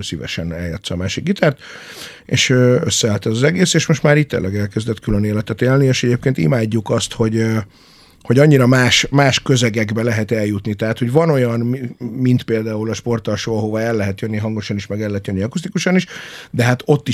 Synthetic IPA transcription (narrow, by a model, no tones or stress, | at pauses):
sivɛ̰ʃɛ̰nɛ̰lja̰t̪sɒːmaːʃikɡit̪aːrt̪ | ḛːʃøøsːɛalt̪ɛzɒzɛɡeːseːʃmo̞ʃt̪maːɾit̪ːḛːlːɛɡɛlkɛzd̪ɛt̪kyløneːlɛt̪ɛt̪eːlnieːʃɛɟeːp̚keːnt̪ḭmaːɟːukɒst̪ho̞ɟ | ho̞ɟɒɲːiɾɒmaːʃmaːʃkø̞zɛɡɛɡbɛlɛɦɛt̪ɛljut̪nit̪ɛɦaːt̪ho̞ɟvɒno̞jɒnmmint̪peːld̪aːulɒʃpo̞rt̪ɒlʃoːɒɦovaɛlːɛɦɛt̪jønːiɦɒŋɡo̞ʃɒniʃmɛɡɛlːɛɦɛt̪jønːiɒkust̪ikuʃɒniʃd̪ɛɦat̪o̞t̪ːi